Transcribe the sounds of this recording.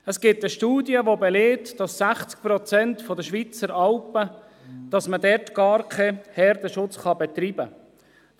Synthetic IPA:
əsɡ̥ɪtəʃtuːdjəʋobɛleːtd̥ɑsːæχt͡sk̚pɾɔt͡sɛntfɔdəʃʋit͡səɾɑlpə | d̥ɑsmədɛrtɡ̥ɑːɾkʰehɛɾdəʃʊt͡sχɑbɛt̪ɾiːbə

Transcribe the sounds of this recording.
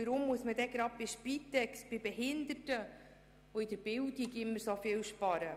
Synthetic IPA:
əɾʊmːuəsməd̪ɛɡɾɑp̚bɪʃpit̪ːɛksb̥ɪbɛɦɪnd̪ətə | oɪd̪̥əɾb̥ɪldiɡɪmːəɾsofɪːlʃpɑɾə

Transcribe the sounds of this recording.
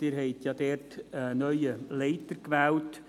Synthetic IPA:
ɪːɾɦɛɪtjɑːdɛrtːnœʏəleɪtəɾkʋɛlt

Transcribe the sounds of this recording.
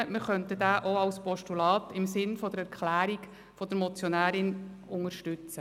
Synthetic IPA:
mɪχœntədæːʔoɑwspɔʃtulɑːt̪ɪmsɪnfɔd̪əɾɛɾkʰlæːɾiɡ | fɔd̪əɾmɔt͡sjɔnæːɾɪnʊŋəɾʃtʉt͡sə

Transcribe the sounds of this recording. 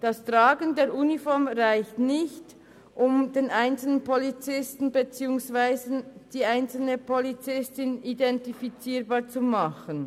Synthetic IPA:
d̥ɑstʁ̥aːɡəndeːɾʔuːnifɔɹmʁaɪçtnɪçt | ʔʊmd̥eːnʔaɪnt͡sl̩nənpʰolit͡sɪstn̩bət͡siːʊŋsv̥aɪzəd̥iːaɪnt͡sl̩nəpʰolit͡sɪstɪnidɛntifit͡siːʁbaːt͡sumɑχən

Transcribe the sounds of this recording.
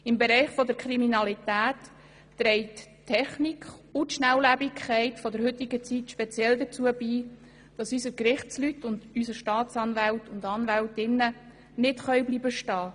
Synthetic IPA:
ɪmbɛɾɛɪχfɔd̪əɾkχɾiminɑlitæːtː | ɾɛɪttʰːɛχnikχʊtʃnæwlæbikʰχɛɪtfɔdəɾhʏt̪ɪɡət͡sitʃpɛt͡sjɛld̪ət͡suəbiː | d̥ɑsysəkɾɪχt͡slytʊndysəʃtɑːt͡sɑnvæltʊndɑnvæltɪnːə | nɪtχœɥbliːbəʃtɑː

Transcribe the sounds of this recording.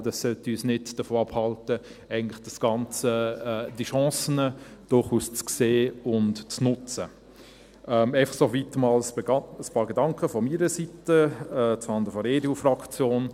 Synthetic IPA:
dɑsːœltiyːsnɪdd̥əfoːɑphɑltə | ɛɪɡən̩tlɪχd̥ɑsɡ̥ɑnt͡səɛːd̥iʃɑ̃ːsənəd̥ʊɾχuːst͡skseːʊntt͡snʊt͡sə | ʔɛmɛɪfɑχsovitəmɑːlsəspɑːɾɡedɑŋkʰəfɔmiːɾəsitəɛt͡sfɑnd̪əfɔɾedeufrɑkt͡sjoːn

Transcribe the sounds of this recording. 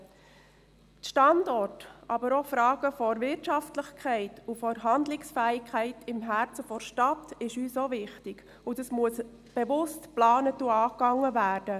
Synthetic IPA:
tʃtɑndɔrtɑbəɾofɾɑːɡ̥əfɔɾʋɪɾtʃɑftləχkχɛɪtufɔɾɦɑndlɪksfæːɪkχæɪtɪmɦæɾt͡səfɔɾʃtɑtɪʃyːsovɪχtɪɡ̥ | ʊdɑsmuəs | b̥eʋʊstplɑːnətuɑːkɑŋːəvæːɾd̥ə

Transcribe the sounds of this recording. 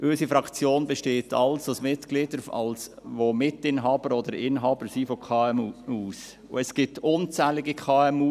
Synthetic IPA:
ʔøsifɾɑkt͡sjoːnbeʃteːtʰɑlsosmɪtɡ̥lɪdəɾɑ̰ls | ʋomɪtɪnɦɑːbəɾɔd̪əɾɪnɦɑːb̥əɾsifokʰɑːɛmuːs | ʊ̰ɛsɡ̥ɪtʊnt͡sɛːlɪɡikʰɑːɛmu

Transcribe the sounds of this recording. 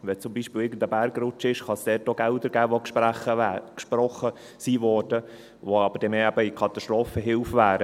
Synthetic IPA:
ʋɛt͡sʊmbiːʃpɪːlɪːɾɡən̩d̪əbæɾɡrʊt͡ʃɪʃχɑsd̥ɛːtoɡ̥ɛld̪əɾɡ̥æːʋokʃpɾæχəækʃpɾɔχə | siːvɔːɾd̥ə | ʋoɑb̥əɾdɛmeːæbəikʰɑt̪ɑst̪ɾoːfəɦɪlfʋæːɾə

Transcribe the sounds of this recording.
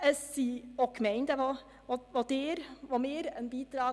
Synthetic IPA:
ɛsiːɔkmɛɪnd̪ɛʋɑ | ʋɑd̪eːɾʋɑmeːɾɛnbiːd̪ɾɑː

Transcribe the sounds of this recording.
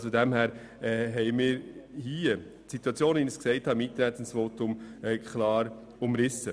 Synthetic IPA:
sodɛmhæːɾ | ɛːɦɛɪmɪːɾhiːə | tsituɑt͡sjoːnvinɪsksɛɪthɑɪmint̪əɾnɛt̪ːənsʋoːtʊmɛːkʰχlɑːɾ | ʊmɾɪsə̰

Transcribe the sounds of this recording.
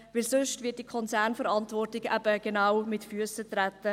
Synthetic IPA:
ʋɪlsʏʃtvɪət̚d̥ikʰɔnt͡sæːɾnfəɾɑntvɔrtɪɡæ̰b̥əɡ̥enawmɪtfyəsətɾætːə

